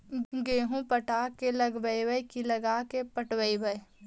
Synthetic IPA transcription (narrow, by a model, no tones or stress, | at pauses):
ɡeːɦũpəʈaːkelɐɡʋəiwəjkilɐɡaːkepəʈwəibəj